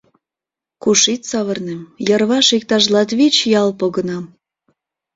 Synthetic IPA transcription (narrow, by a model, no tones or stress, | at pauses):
kuʃit̪ʲsɑβə̆rnemjərβɑʃik̚t̪ɑʒlɑt̪βit͡ɕjɑlˠpoɣə̆nɑm